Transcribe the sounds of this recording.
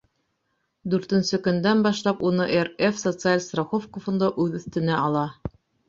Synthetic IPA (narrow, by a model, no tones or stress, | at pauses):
d̪ʉɾt̪ɘ̆nsɘkɵ̆nd̪ænbɑʃlˠɑpunɤʔerefsot̪sɨalʲst̪roχofkofŏnd̪ɑʔʉðɵ̆θt̪ɘ̆næɑlˠɑ